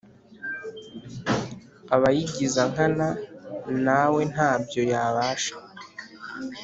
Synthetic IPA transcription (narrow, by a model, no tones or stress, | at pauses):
aβajiɟizaŋ̥ananawe̞n̥haːbjo̞jaβaːʃḁ